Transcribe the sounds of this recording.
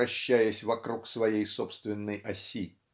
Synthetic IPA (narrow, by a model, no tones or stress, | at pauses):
ɐɕːæjəsʲvɐkɾuksvɐjejso̞pst̪vʲɪnːɨjɐsʲi